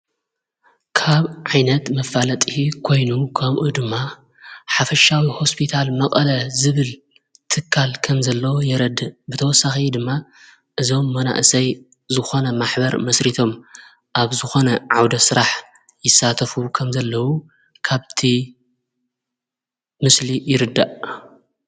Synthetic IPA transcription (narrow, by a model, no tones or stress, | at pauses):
kʰaβʕajnɐt̪mɐfalɐt̪ʼihikʰo̞jnukʰɐβʔud̪ɨmːa | ħafɐʃawiho̞spʰit̪ʰalmɐkʼɐlɐzɨβɨl | t̪ʰɨkʰːalkʰɐmzɐlːɐwojɛɾɐd̪ɨbɨt̪ʰɐwɔsaxid̪ɨmːa | ʔɨzo̞mːɐna̰ʔsɐj | zɨxo̞nɐmaħbɐɾmɐsɾit̪ʰo̞m | ʔaβzɨxo̞nɐʕawd̪ɐsɨɾaħ | jɪsːat̪ʰɐfukʰɐmzɐlːɐwu | kʰaβt̪ʰi | mɨslijɪɾɨd̪ːaʔ